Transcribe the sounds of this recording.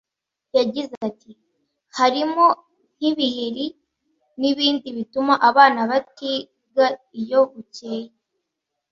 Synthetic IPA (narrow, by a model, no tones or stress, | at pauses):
jaɟizati | haɾimo̞ | n̥iβiheɾi | niβiːndiβitumaʔaβaːnaβati | ɡaijo̞βuce̞ːje